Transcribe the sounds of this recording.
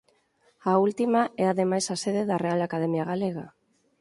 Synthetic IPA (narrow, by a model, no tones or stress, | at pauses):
ault̪imaʔeaðe̞majsase̞ð̞eðare̞alakað̞e̞miaɣale̞ɣa